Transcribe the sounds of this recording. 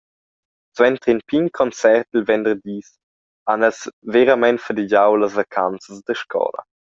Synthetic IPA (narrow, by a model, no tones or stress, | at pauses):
swɛnt̪ʁinpinkʰɔnt͡sɛʁtilvɛndəʁd̪iːs | anɛsveɾamɛntfədid͡ʑawləsvakʰant͡səsdəʃkʰɔ̰ːlə̰